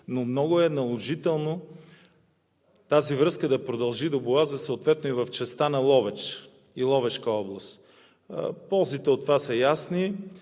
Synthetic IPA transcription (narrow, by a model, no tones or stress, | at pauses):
nomnɔɡʊɛnɐlˠoʒit̪ɛlˠno | t̪azivɾɤskəd̪ɐpɾod̪ɐlˠʒid̪obʊazəsoot̪vɛt̪noivɐft͡ʃɛst̪anɐlˠɔvɛt͡ʃ | ilˠɔvɛʃkəɔblˠəst̪ | pɔlˠzit̪ɛot̪ːvasɐjasni